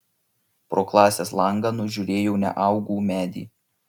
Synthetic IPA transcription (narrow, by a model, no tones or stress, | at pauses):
pɾoːklˠɑːsʲeːslˠɐŋɡɐnʊʒʲuɾʲeːjoʊnʲɛ̰ʔɑʊɡuːmʲæːd̪ʲḭː